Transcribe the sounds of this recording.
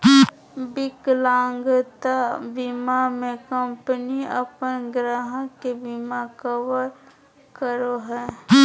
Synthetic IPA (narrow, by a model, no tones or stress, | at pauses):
bɪklãːŋɡt̪abimamẽkəmpəniə̰pənɡɾaːɦə̃kebimakəwəɾ | kəɾoɦɛː